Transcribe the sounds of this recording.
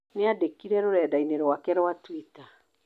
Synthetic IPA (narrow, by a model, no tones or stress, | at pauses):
neadekiɾɛɾoɾɛːdaineɾwakɛɾoatwita